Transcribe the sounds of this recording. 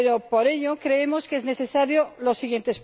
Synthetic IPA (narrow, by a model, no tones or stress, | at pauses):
ɾopoɾeʎokɾeemoskezne̞θesaɾjolosːiɣje̞nt̪es